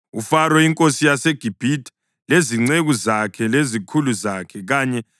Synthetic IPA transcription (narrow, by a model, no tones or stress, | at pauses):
ufaɾɔiŋkʼosijaseɡ̥ʱib̥ʱitʰʼ | leziŋ͡ǀeɣuzakʰɛlezikʰuluzakʰɛɣaːɲɛ